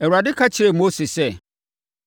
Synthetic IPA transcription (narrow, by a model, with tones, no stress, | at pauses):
ɛ˨wu˨ɾa˨dɪ˦kʰa˦t͡ɕʰɪ˨ɾe˨mo˦se˨sɛ˦˨